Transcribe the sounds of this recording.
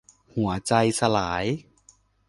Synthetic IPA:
hu˩˦ɐt͡ɕa˧jsa˧laː˩˦j

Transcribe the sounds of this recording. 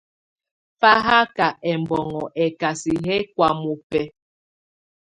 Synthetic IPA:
fa˦ɦa˦ka˨ɛ˨m˨bɔ˨ŋɔ˨ʔɛ˨ka˨si˨ɦɛ˦kwa˨mu˨pɛ˨

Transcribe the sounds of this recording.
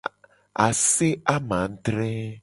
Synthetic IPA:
a˨se˦a˦mã˨ŋ̩˦t̪ɾɛ˦

